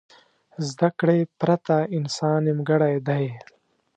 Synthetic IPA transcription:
zd̪ɐkɽeːpɾɐt̪ainsɑːnimɡɐɽajd̪aj

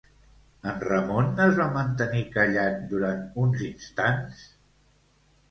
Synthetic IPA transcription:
ənrəmonəzβamənt̪ənikəʎand̪uɾant̪unzinst̪ans

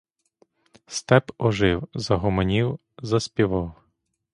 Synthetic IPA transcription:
st̪ɛpɔʒɪwzɐɦɔmɔnʲiw | zɐspʲiʋɑw

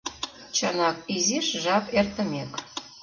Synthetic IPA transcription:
t͡ɕənɑkiziʃʒɑpert̪ə̆mek

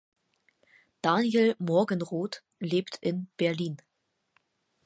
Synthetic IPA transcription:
d̥anjelmɔɐɡənʁoːt | leːptʰʔɪnb̥ɛɐliːn

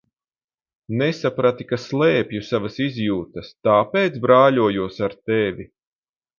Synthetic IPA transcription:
nɛsapɾat̪ikaslˠɛːpʲjusavasizʲjuːt̪ɐst̪aːpeːt̪sbɾaːʎʲuɔjuɔsaɾt̪ɛvʲi

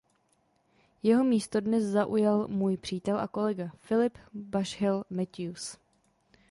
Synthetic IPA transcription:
jɛɦo̞miːst̪o̞dnɛszaʔujalmuːjpr̝̥iːt̪ɛlʔako̞lɛɡafɪlɪpbaʃhɛlmɛt̪us

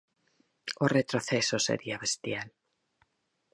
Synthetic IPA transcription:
oret̪ɾoθesosḛɾiaβest̪jal

